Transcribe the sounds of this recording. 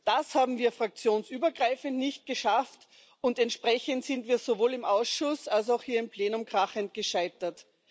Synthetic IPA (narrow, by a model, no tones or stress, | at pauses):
d̥ashaːbm̩viːɐfʁ̥ak̚t͡sjoːnsyːbɐɡʁaɪfəntnɪçt̚ɡ̥əʃaft | ʊntɛntʃpʁ̥ɛçəntsɪntviːɐzovoːlɪmʔaʊsʃʊsals̬aʊxhiːɐɪmpl̥eːnʊmkʁ̥aχəntɡ̥əʃaɪtɐt